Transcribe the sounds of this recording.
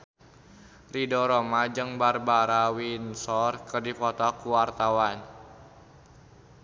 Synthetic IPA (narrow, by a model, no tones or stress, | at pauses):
ridɔɾomad͡ʒɨŋbarbaɾawinsɔrkərdipɔt̪ɔkuwart̪awan